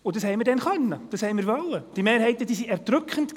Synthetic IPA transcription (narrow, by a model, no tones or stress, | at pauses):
ʊdɑshɛɪməɾdɛnχɑnːəd̥ɑshɛɪməɾʋɑlːəd̥imeːɾɦɛɪtəd̥isiɛɾd̥ɾʏkʰχəntk